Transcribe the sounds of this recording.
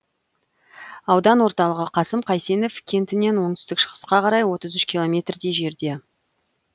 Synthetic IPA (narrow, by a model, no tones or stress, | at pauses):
ɑwd̪ɑnwo̞ɾt̪ɑlˠəʁəqʰɑsəmqʰɑjse̞ne̞fkʲʰe̞nt̪ɪne̞nwo̞ɴt̪ʏ̥st̪ɪkʃə̥ʁə̥sqɑqɑɾɑjwo̞t̪əzʏʃkʲʰilˠo̞mʲe̞t̪rd̪e̞jʒe̞ɾd̪e̞